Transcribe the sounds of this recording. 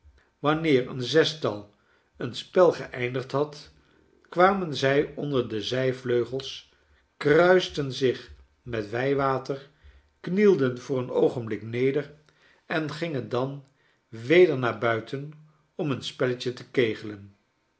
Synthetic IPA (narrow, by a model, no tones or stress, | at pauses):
ʋɑnɪːɹə̰nzɛstɑlˠ | ənspɛlˠχəʔɛjndəχtɦɑt | kʋaːmənzɛjɔndəɹdəzɛjvløɥχəlˠs | krœɥstənzɪχ | mɛtʋɛjʋaːtər | knilˠdənv̥ʊːɹənowχənblɪknejdəɹ | ɛnχɪŋəndɑn | ʋejdəɹnaːɹbœɥtʰən | ɔmənspɛləcətəkejχələn